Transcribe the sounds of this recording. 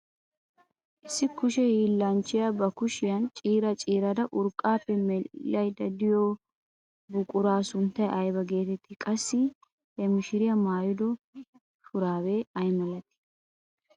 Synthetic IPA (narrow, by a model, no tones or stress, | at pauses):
ʔɪsːɪkʊʃɛjiːlːɐnt͡ʃːɪjabɐkʊʃɪjɐnt͡ʃʼiːɾɐt͡ʃʼiːɾɐd̪ɐʔʊɾkʼaːpːɛmɛɐjd̪ɐd̪ɪjoː | bʊkʼʊɾaːsʊnt̪ːɐjʔɐjbɐɡe̞ːt̪ɛt̪ːɪkʼɐsːɪ | hɛmɪʃɪɾɪjɐmaːjʊd̪ɔ | fʊɾaːweɐjmɐlɐt̪ɪ̥